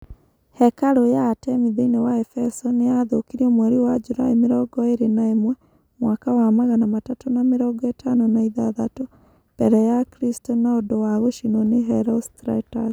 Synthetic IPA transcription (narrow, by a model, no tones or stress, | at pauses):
hɛkaɾojaːtɛmiðeinewaɛfɛsɔnejaðokiɾiomwɛɾiwad͡ʒuɾa̰imeɾɔɡɔeɾenaemwɛ | mwakawamaɣanamatatonameɾɔɡɔetʰanonaiðaðato | b̥ɛɾɛjakɾistɔnaodowaɣoʃinɔneɦɛɾɔstɾa̰tas